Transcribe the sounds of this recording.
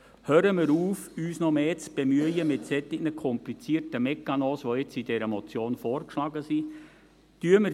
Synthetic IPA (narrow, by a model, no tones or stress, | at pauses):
høːɾəmɪɾuːfyːsnɔmeːt͡sb̥emyəjəmɪtsɛt̪ɪɡ̚nəkʰɔmplit͡siːɾtəmɛkːɑnoːsʋoɪt͡sidɛɾəmɔt͡sjoːnfɔːɾkʃlɑːɡəsi | tyəmɪ